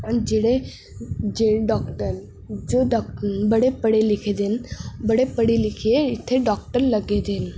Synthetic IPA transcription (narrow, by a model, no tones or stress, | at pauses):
ɐnd͡ʒeɽe | d͡ʒeɖɔːkʈəɾ | d͡ʒoɖɔkbɐɽepəɽelɪkʰed̪enbɐɽepəɽilɪkʰieɪt̪ʰeɖɔːkʈəɾlɐɡed̪en